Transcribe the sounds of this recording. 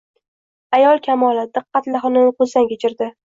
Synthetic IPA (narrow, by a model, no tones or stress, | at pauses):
ajɒlˠkʲʰamɒlˠɪd̪ɨqːɑt̪laχɨnɪnqʰʊzankʲet͡ʃʰɪɾd̪ɪ